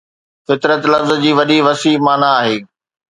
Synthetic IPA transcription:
fɪt̪ɾət̪lɐfzd͡ʑiːʋɐɗiʋɐsiːmaːnaːɦeː

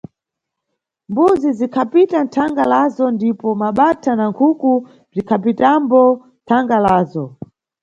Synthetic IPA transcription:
mbuzizikʰapitantʰaŋɡalazɔndipɔmaɓatʰanaŋkʰuku | b͡ʐikʰapitambɔntʰaŋɡalaːzɔ

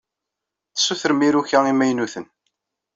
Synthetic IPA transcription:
θə̥sːuθəɾəmiɾuçæimæjnuθən

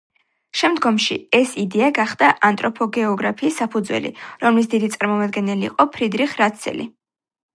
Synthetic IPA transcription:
ʃɛmd̪ɡɔmʃḭɛsid̪ɛaɡaχd̪aʔant̪ʼɾɔpʰɔɡɛɔɡɾapʰiːsːapʰud̪zwɛ̰lḭɾɔmlis̬d̪id̪it̪sʼaɾmɔmad̪ɡɛnɛlḭːqʼɔpʰɾid̪ɾiχɾat̪sʰɛ̰lḭ

